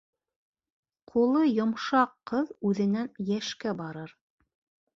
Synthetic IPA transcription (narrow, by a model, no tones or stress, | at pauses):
qʰulˠɤjŏmʃɑqːɤðʉðɘ̆nænjæʃkæbɑɾɤɾ